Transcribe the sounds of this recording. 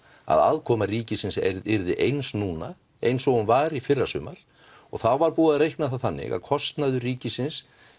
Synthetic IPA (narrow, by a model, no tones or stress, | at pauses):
a̰ða̰ːðkʰɔːmariːcɪsɪnsɛɪɾðɪʔejnsnuːna | ḛjnsɔɣʏmvaːɾifɪrːasʏːmaɾ̥ | ɔɣθawvaɾpuːðaɾejhknaθaθanːɪ̰ɣa̰ðkʰɔst̪naðʏriːcɪsɪns